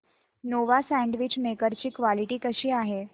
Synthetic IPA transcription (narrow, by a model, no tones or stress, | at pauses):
noʋasɛ̃ɳɖʋit͡ɕmekəɾt͡ɕiːkʋaliʈiːkəɕiːaɦe